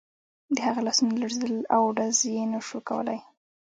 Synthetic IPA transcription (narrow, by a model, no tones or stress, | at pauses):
d̪əhaɣalasunlaɽzed̪əlawɖazjenaʃukawə̰la̰j